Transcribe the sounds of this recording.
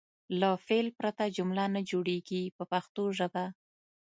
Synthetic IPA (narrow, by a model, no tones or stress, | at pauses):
lafelpɾat̪ad͡ʒʊmlanad͡ʒoɽeɡipəpaxt̪oʒəba